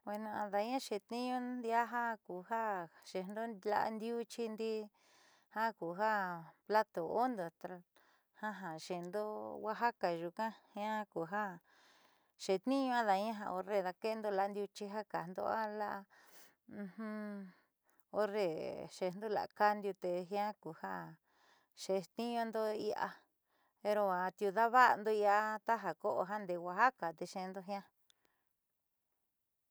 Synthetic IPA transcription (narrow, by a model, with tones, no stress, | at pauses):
we˧nõ˧ã˧ða˧ɲã˦ʃe˨t̪nĩ˦ɲũ˦nd̪i˧a˦ɦa˦ku˨ha˦ʃe˧˨nd̪o˦la̰˧ʔa̰˧nd̪ju˦t͡ʃi˧nd̪i˦˧ | hã˦ku˨ɦa˦pla˦t̪o˨o˦nd̪o˨t̪a˧˨ | ha˦ɦã˨ʃe˨nd̪o˦wa˦ɦa˦ka˨ʒu˧kã˦hã˦˧ku˨ɦa˦ | ʃe˨t̪nĩ˦ɲũ˧ã˦ða˧˦ã˦ɦã̰˧o˧ɾe˧ða˧ke˦˧nd̪o˧la˧˦nd̪ju˧t͡ʃi˧ɦa˦ka˨nd̪o̰˧˦a˦la˦ʔã˧ | hũ˧ | o˧re˧ʃe˧nd̪u˦˧la̰˧˨˧ka˦nd̪ju˧t̪e˧ɦj̃ã˦ku˨ha˦ | ʃe˧t̪ĩ˦ɲõ˧nd̪o˦˧i˧a̰˧ | e˧ɾo˧a˧t̪ju˧ða˦βa˦˧nd̪o˧i˧a˧t̪a˦ɦa˨ko˦ʔo̰˧ɦa˦nd̪e˧wʷa˧ɦa˦ka˨t̪e˧ʃẽ˧nd̪o˧ɦj̃ã˦